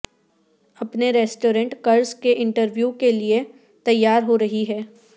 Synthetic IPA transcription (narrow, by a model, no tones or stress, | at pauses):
ɐpneɾɛːsʈoːɾə̃ɳʈkɐɾskeʔɪ̃ɳʈəɾʋjuːkelie | t̪ɐjːaːɾɦoɾɐɦiɦɛː